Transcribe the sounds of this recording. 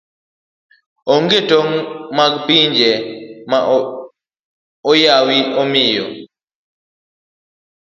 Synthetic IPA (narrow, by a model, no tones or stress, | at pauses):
ɔŋɡetoŋmaɡpiɲd͡ʒɛma | ɔjawiʔɔmijɔ̰